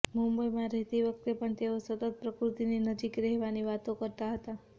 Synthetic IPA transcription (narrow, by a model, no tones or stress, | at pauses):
mumbəjmãɾɛɦt̪iʋəkt̪epəɳt̪eosət̪ət̪̚pɾəkɾut̪ininəd͡ʒikɾɛɦʋaniʋat̪õkəɾt̪aɦət̪a